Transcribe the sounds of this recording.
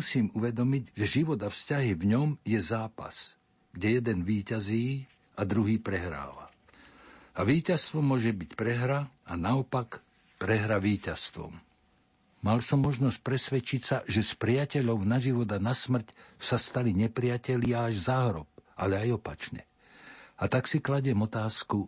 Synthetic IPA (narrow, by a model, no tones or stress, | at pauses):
usiːmuʋɛd̪ɔmiɟʒɛʒiʋɔd̪afscaɦivɲɔmjɛzaːpa̰s | ɡɟɛjɛd̪ɛnʋiːcaziː | ad̪ɾuɦiːpɾɛɦɾa̰ːʋa̰ | aʋiːcast̪ʋɔmʊɔʒɛbicpɾɛɦɾaanaɔpak | pɾɛɦɾaʋiːcast̪ʋɔ̰m | malsɔmːɔʒnɔsc̚pɾɛsʋɛt͡ʃicsaʒɛspɾɪacɛʎɔʊnaʒiʋɔd̪anasmr̩csast̪aliɲɛpɾɪacɛʎɪaːʒzaɦɾɔp̚alɛajɔpat͡ʃɲɛ̰ | at̪aksiklaɟɪɛmɔt̪aːsku